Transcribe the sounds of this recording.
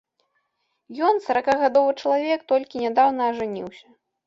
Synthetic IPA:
jɔnsɐɾakaɣad̪ɔvɨt͡ʂɐlˠavʲɛkt̪ɔlʲkʲinʲad̪awnɐːʐanʲḭwsʲɐ

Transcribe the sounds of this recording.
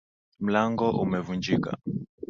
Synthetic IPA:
m̩laŋɡɔʔṵmɛvund͡ʒika̰

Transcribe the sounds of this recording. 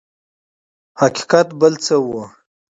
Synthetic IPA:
haki̥qat̪bəlt͡səwo

